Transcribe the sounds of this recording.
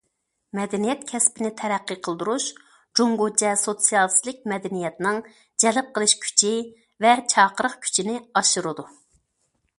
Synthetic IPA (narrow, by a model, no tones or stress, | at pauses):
mɛd̪ɛnijɛt̪̚kʲʰɛspɪnɪt̪ʰɛɾæqːəqʰəlˠd̪uɾuʃ | d͡ʒoŋɡot͡ʃʰɛsot̪sijɑlˠslˠɪk̚ʲmɛd̪ɛnijɛt̪nɪŋ | d͡ʒɛlɪp̚qəlˠɨʃkʲʰy̥t͡ʃʰi | vɛt͡ʃʰɑːqəɾəχkʲʰy̥t͡ʃʰinɪɑʃuɾɨd̪u